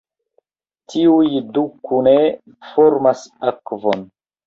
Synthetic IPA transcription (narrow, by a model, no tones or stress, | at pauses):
tʰiujdukune | foɾmasakvon